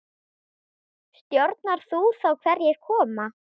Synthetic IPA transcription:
st̪joɾt̪naɾ̥θuθawkʰvɛɾjɛɣ̥kʰɔːma

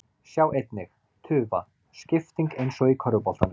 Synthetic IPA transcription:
sjaːwejt̪nɪx | t̪ʰʏːva̰ | scɪft̪iŋkejnsɔikʰœɾvʏpɔlt̪anːɪ

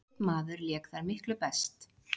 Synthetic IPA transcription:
t̪maːðʏɾljɛːkθaɾmɪhklʏpɛst̪

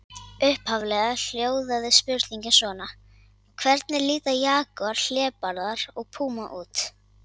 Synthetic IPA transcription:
ʏhphavlɛɣal̥joːwðaðɪspʏɾt̪liɲcɪsvɔːna | ɔɣkʰvɛɾt̪nɪɾliːt̪ajaːkaɾ̥l̥ɛːpaɾðaɾɔɣpʰuːmaʔuːt̪

